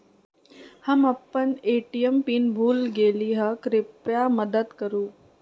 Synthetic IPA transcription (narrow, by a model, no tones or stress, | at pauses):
hɐmɐpːəneːʈijəmpiːnbʱuːlɡeːliːɦəkɾɪpɾjamɐd̪əd̪kɐɾuː